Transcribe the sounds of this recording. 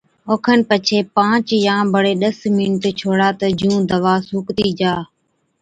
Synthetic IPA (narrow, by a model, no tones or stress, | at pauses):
oːkʰənpət͡ʃʰeːpãːt͡ʃjãːbəɽeːɗəsmɪnʈt͡ʃʰoːɽaːt̪əd͡ʒũːd̪əʋaːsuːkt̪iːd͡ʒaː